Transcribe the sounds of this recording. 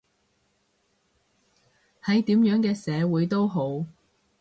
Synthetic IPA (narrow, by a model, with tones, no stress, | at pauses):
hɐ˨˥jt̪iː˨˥mjœː˨˥ŋkɛː˧sɛː˨˧wuː˨˧jt̪o˥wɦo˨˥w